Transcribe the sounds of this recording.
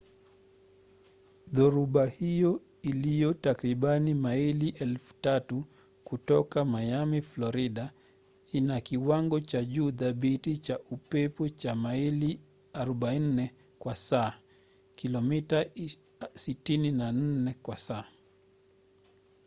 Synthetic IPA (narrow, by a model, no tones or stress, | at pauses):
ðɔɾuɓahijɔ | ilijɔtakɾiɓanimailiʔɛlfu̥tatu | kutɔkamajamiflɔɾiɗa | inakiwaŋɡɔt͡ʃaʄuːðaɓitit͡ʃaʔupɛpɔt͡ʃamaili | aɾɔɓainnːɛ | kwasaː | kilɔmita | sitininan̩nɛkwasaː